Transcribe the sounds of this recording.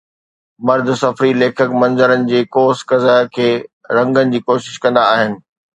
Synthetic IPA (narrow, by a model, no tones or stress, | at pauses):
mɐɾd̪ʱsɐfɾileːkʰəkmɐ̃nzəɾənɪ̆d͡ʑeːkoːskɐzakʰeː | ɾɐ̃ŋɡənɪ̆d͡ʑiːkoːʃɪʃkɐ̃nd̪aːɦɪnɪ̆